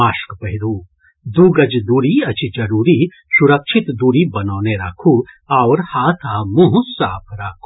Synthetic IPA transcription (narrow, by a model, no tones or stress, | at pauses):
aːʃkpɐɦɪɾuː | d̪uːɡɐd͡ʒd̪uːɾiɐt͡ʃid͡ʒɐɾuːɾi | suɾɐkʃʰɪt̪d̪uːɾibɐnɔːneɾa̰ːkʰu | aːɾhaːt̪ʰaːmũɦsaːpʰɾaːkʰu